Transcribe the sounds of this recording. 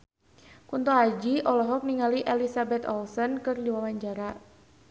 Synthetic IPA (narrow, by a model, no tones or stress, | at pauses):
kunt̪oad͡ʒiʔɔlɔɦɔk̚niŋaliʔɛlisabɛt̪ɔ̰lsɔnkɨrdiwawaɲd͡ʒaɾa